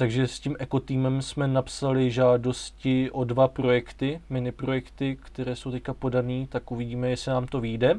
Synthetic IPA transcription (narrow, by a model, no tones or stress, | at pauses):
t̪aɡʒɛsciːmʔɛko̞t̪iːmɛmsmɛnapsalɪʒaːdo̞scɪʔo̞dvapɾo̞jɛkt̪ɪmɪnɪpɾo̞jɛkt̪ɪkt̪ɛɾɛːso̞wt̪ɛckapo̞daniːt̪akʔuvɪɟiːmɛjɛsɪnaːmt̪o̞vijdɛ